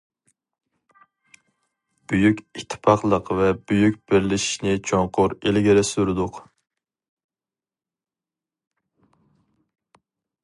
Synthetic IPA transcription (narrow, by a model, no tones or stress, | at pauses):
b̥yjykʲit̪ʰːɪ̥pʰɑχlˠəqvɛbyjyk̚ʲb̥ɪɾlɪʃi̥ʃnɪt͡ʃʰoŋqʰʊɾelɪɡʲɪɾɪsyɾɨd̪ʊq